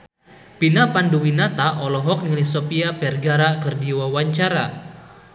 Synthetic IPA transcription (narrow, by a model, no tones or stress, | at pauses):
pinapanduwinat̪aʔɔlɔɦɔk̚ŋəlisɔpiapɛrɡaɾakərdiwawaɲt͡ʃaɾa